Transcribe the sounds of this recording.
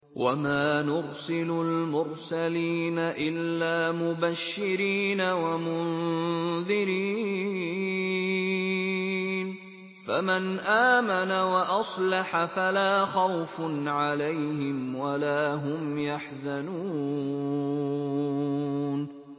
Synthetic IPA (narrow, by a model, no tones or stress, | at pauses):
wʔa̰maːnʊɾsɪlʊlmʊɾsaliːnaʔɪlːaːmʊbaʃːɪɾiːnawamʊnðɪɾiː | n | famanʔaːmanawaʔɑsˤlɑħafalaːxɑwfnʕalajhɪmwalaːɦʊmjaħzanuː | n